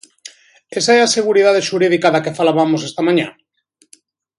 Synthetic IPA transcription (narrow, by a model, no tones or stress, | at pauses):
esaeaseɣ̞uɾið̞aðeʃuɾiðikaðakefalaβamosest̪amãɲa̰n